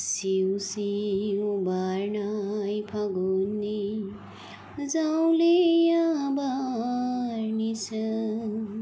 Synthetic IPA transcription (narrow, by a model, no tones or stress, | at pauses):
siwsi | baɾnajpʰaɡunːi | d͡zaw̃lejãba | ɾnit͡sʰɐ